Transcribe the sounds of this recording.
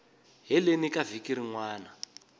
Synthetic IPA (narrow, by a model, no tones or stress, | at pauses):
ɦɛlenikavikiɾiŋwaːna